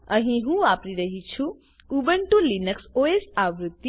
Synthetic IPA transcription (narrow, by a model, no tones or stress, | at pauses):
ɐɦĩɦũaːpɾiɾɐɦit͡ʃʰu | ubəɳʈulinəksoːesaːʋɾut̪ːi